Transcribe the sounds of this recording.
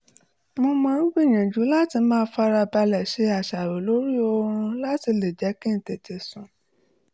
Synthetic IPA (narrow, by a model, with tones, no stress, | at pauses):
mo˧mɔ̃˧ɾũ˦ɡ͡bi˦˨ɲ̃ã˨d͡ʒu˨˦la˦ti˧˦mãː˦˧˦fa˦ɾa˧ba˧lɛ˨ʃe˧˦a˨ʃa˨ɾo˨lo˨˦ɾi˦o˧ɾɾ̃ũ˧la˦ti˧le˨d͡ʒɛ˨˦kĩ˦n̩˨te˨te˨sũ˨